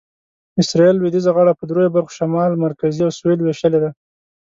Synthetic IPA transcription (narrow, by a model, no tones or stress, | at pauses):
ɪsɾɑelwɪd̪izaɣaɽapəd̪ɾojobaɾxo̥ʃamɑlmaɾkaziawsuelweʃəled̪a